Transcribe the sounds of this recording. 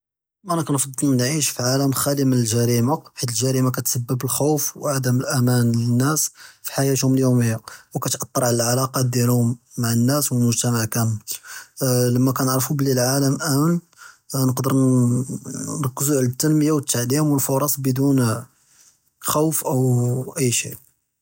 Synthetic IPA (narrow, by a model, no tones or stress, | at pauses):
mænæknfɑd̪ˤːəlnʕiʃfiʕaləmxælimənəlʒæɾimaħit̪əlʒæɾimak̬æt̪səbːəbəlxuwfwʕad̪əməlʔæmænənːæsfi̥ħajæt̪hʊməljuməjːawkæt̪ʔɑt̪ˤːɾˤɑʕəlʕalɑqɑd̪jælhʊmːaʕənːæswəlmʊʒt̪æmaʕkæm | ləmːækænəʕɾfubəlːilʕaləmʔæmən | nəqd̪əɾ | nɾkːəsuʕlət̪ːənməjawət̪ːaʕd̪imwənfoɾˤɑsˤbəd̪un | xæwfʔəwʔəjːʃḭʔ